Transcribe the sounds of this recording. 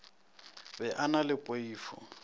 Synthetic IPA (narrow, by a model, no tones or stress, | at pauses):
bɛʔanalɪpʼoiːfɔ̰